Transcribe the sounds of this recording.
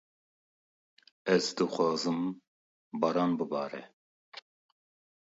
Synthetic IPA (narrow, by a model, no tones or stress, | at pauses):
ɛzd̪ɨxʷɑːzɨm | bɑɾɑːnbɨbɑ̰ːɾɛ̰